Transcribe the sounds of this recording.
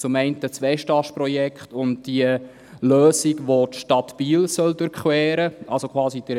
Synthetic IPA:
t͡sʊmɛɪntət͡sʋɛʃtɑʃpɾɔjɛkχtʊntd̥iə | løːsiɡʋotʃtɑtb̥iːlsœldʉɾkχwɛːɾəʔɑlsokʰχwɑːsid̥ə

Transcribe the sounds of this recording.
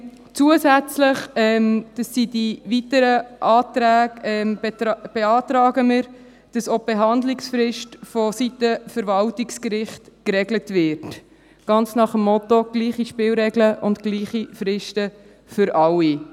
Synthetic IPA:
t͡suəsæt͡slɪχɛmd̥ɑsːidivitəɾəʔɑːt̪ɾæːɡɛmb̥eɑːt̪ɾɑːɡəmɪɾ | d̥ɑsob̥eɦɑnd̪lɪksfɾɪʃtfɔsitəfəɾvɑltikskɾɪχtkɾɛɡlətvɪːɾt | ɡ̥ɑnt͡snɑχəmːɔt̪oɡ̥liːχiʃpɪːlɾɛɡləʔʊntkliːχifɾɪʃtə | fʏɾʔɑwːi

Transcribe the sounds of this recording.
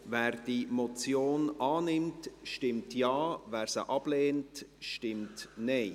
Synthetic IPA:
vɛːɾd̥imɔt͡sjoːnɑːnɪmtʃtɪmtjɑːvæːɾsə̰ʔɑb̥leːntʃtɪmtnɛɪ

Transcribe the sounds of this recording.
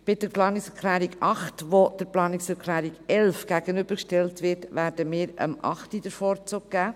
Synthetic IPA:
b̥ɪdəplɑːnɪksɛklæːɾiɡɑχtʋod̥əɾplɑːnɪksəɾkʰlæːɾiɡɛlfɡ̥æɡ̥ənʏb̥əɾkʃtɛltʋɪɾtʋæːɾd̥əmɪːɾə̰mʔɑ̰χtid̥əɾfɔːɾt͡sʊːɡ̚ɡ̥æː

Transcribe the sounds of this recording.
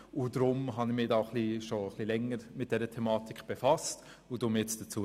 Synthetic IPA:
ʊdɾʊmɦɑnɪmɪdaχliʃoəχlilɛŋəɾmɪt̚d̥ɛɾətʰɛmɑːtikb̥efɑst | ʊd̥ʊmɛt͡sd̥ət͡suːə

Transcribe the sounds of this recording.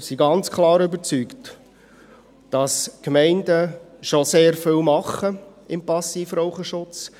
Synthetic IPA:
siɡɑnt͡skʰlɑːɾʏbət͡sykt | d̥ɑskmɛɪndəʃoseːɾfɪlmɑχːə | ɪmpɑsːiːfɾoʊχəʃʊt͡s

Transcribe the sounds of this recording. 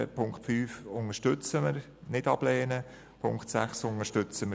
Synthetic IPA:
pʰʊŋkχtfyːfʊŋəʃtʏt͡səməɾ | nɪtɑb̥lɛːnə | pʰʊŋkχtsæχsʊŋəɾʃtʏt͡səmə

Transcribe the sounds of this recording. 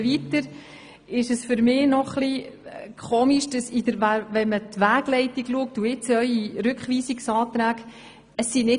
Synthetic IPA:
vitəɾ | ɪʃəsfʏɾmɪːnɔχlikʰoːmiʃd̥ɑsidəɾʋæʋɛnmətʋæːɡ̥lɛɪtiɡluək̚tuɪt͡sœʏiɾʉkχʋiːsiksɑːt̪ɾæːɡ | əsːinɪ

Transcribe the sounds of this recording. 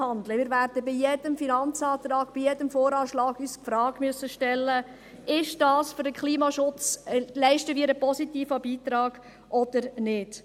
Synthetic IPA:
hɑndləmɪːɾʋærdəbijɛdəmfinɑnt͡sɑːt̪ɾɑːɡ̥b̥ijɛdəmfoːɾɑːʃlɑːɡyːsfɾɑːɡ̥myøəsːəʃtɛlːə | ɪʃd̥ɑːsføɾdəkχliːmɑʃʊt͡slɛɪʃtəʋiɾəpɔsitiːfəbiːt̪ɾɑːɡ̥ | ʔɔd̥̪əɾnɪd̥

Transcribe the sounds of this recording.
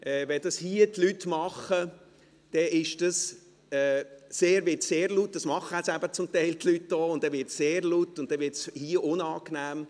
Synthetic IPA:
ʔɛʋɛd̥ɑshiətlytmɑχə | d̥ɛʔɪʃd̥ɑs | ɛːseːɾvɪtseːɾlut̚d̥ɑsmɑχəhɛsæbət͡sʊmtɛɪltlyt̚d̥oːʊnd̥ɛʋɪtseːɾlutːʊnt̚d̥ɛʋɪtshiəʔʊnɑːknæːm

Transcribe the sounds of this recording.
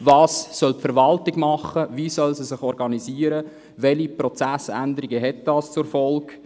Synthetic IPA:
vɑːssœlpfəɾʋɑltɪɡmɑχəviːsœlsisɪχɔɾɡɑniziːəɾə | ʋɛliprɔt͡sæsæ̰ndəɾiɡəɦɛt̚d̥ɑːst͡sʊɾfɔlɡ

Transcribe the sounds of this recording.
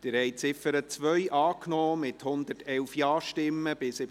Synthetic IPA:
d̥ɪɾhɛɪt͡sɪfəɾət͡sʋœʏʔɑːknɔːmɪthʊnd̪ətʰɛlfjɑːɾʃtɪmːəb̥ɪsɪ

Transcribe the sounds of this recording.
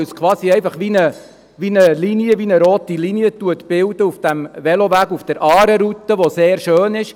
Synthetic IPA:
skʰʋɑːsiɛɪfɑχʋinə | ʋinəliniəʋinəɾoːt̪iliniət̪uət̪b̥ɪld̥̪əufd̥æmʋɛloʋæːɡufd̥əɾʔɑːɾəɾut̪ːəʋoseːɾʃøːnɪʃ

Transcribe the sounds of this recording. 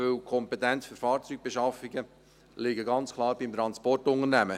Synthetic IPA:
ølkʰɔmpet̪ɛnt͡sføɾfɑːɾt͡syːɡ̥̚b̥eʃɑfiɡə | lɪɡəɡɑnt͡skʰlˠɑːɾb̥imt̪ɾɑnspɔrtʊŋəɾnæmə

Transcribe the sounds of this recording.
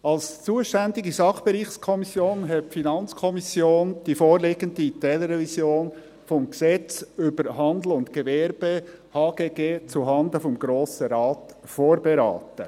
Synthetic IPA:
ɑlst͡suːəʃtænd̪ɪɡisɑχb̥eɾiːχskʰɔmisjoːnɦɛtfinɑnt͡skʰɔmisjoːnd̥ifoːɾleɡəndit̪ɛləɾɛvisjoːn | fɔmɡsɛt͡sʏbəɾɦɑnd̪l̩ʊnt̪kevɛɾbehɑːɡ̥eːɡeːt͡suɦɑnd̪əfɔmɡɾoːsəɾɑːtfoːɾbeɾɑ̰ːtə

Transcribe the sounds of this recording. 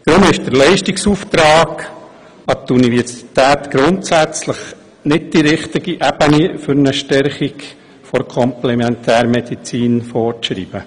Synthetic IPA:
d̥ɾʊmɪʃd̥əɾlɛɪʃtiksuːft̪ɾɑːɡ | ɑt̪univɛɾsi̥t̪æːt̪ɡ̥ɾʊntsæt͡sləχ | nɪd̚d̥iɾɪχt̪iɡiʔæb̥ənifʏɾnəʃtɛɾχik | fɔɾkʰɔmplɛmɛntʰæːɾmɛd̥̪it͡siːnfɔɾʃɾḭːb̥ə

